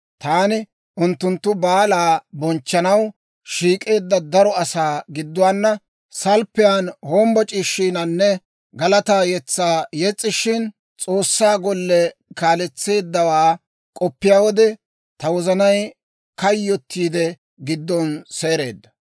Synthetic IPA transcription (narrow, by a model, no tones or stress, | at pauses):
t̪aːnɪ | ʔʊnt̪ːʊnt̪ːʊbaːlaːbɔnt͡ʃːɐnɐw | ʃiːkʼe̞ːd̪ːɐd̪ɐɾɔɐsaːɡɪd̪ːʊwaːnːɐ | sɐlpːɛjanhoːmbɔt͡ʃʼiːʃːiːnɐnːɛ | ɡɐlɐt̪aːjɛt͡sːaːjɛt͡sʼːɪʃɪn | t͡sʼo̞ːsːaːɡɔlːɛkaːlɛt͡sːe̞ːd̪ːɐwaː | kʼɔpːɪjaːwɔd̪ɛ | t̪ɐwɔzɐnɐj | kɐjːɔt̪ːiːd̪ɛ | ɡɪd̪ːɔnse̞ːɾe̞ːd̪ːɐ